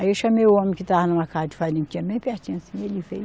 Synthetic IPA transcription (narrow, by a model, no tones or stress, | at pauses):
aiewʃɐmejʊõmẽkɪt̪aɐnɐ̃mɐkazɐd͡ʒɪ̥falĩt͡ʃ̪ĩɲɐbẽj̃pɛht͡ʃĩɲɐsĩelifḛj